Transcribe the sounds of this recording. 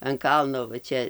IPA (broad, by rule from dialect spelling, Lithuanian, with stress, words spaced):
ɐn ˈkɐlˠnoː ʋɐ ˈt͡ʃʲɛ